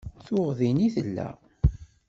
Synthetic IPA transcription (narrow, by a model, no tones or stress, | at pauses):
θʊʁðiniθəlːæ̰